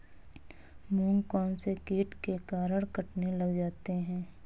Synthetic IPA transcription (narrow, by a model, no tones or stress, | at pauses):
mũːŋkɔːnsekiːʈkekaːɾəɽkəʈnelɐɡd͡ʒaːt̪eɦɛ̃ː